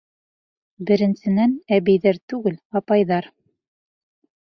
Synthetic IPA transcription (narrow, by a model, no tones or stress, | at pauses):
bɘ̆ɾɘ̆nsɘ̆nænæβɘ̆jðæɾt̪ʉɡɘlɑpɑjðɑɾ